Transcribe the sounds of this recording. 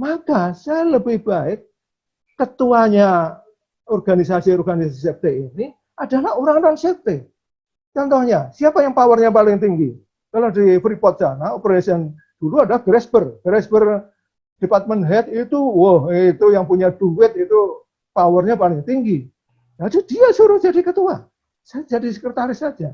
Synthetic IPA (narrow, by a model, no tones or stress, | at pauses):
makasajaləbɪhb̥aɪk̚ː | ət̪uaɲa | ɔrɡanisasiɔrɡanisasisɛp̚t̪eini | adalahoɾaŋnansɛp̚t̪e | t͡ʃɔnt̪ɔhɲasiapajaŋpawərɲapalɪŋt̪iŋɡi | kalodifɾipɔt̪̚sanaopəɾasiən | d̥uluadalahɡɾɛsbərɡ̥ɾɛsbər | d̥epat̪̚mənɦɛt̪it̪uwohit̪ujaŋpuɲaduwɪt̪̚it̪u | pawərɲapalɪŋt̪iŋɡi | ladud̥iasuɾʊhd͡ʒadikət̪ua | sajad͡ʒadisəkɾət̪aɾɪsːad͡ʒa